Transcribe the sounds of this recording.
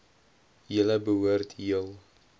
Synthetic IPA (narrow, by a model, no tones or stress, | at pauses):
jələbəɦuərtʰiəlˠ